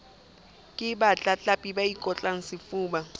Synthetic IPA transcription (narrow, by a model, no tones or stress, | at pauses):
kʼɪɓat͡ɬʼat͡ɬʼapʼiɓaikʼɔt͡ɬʼaŋ̩sɪfuːɓa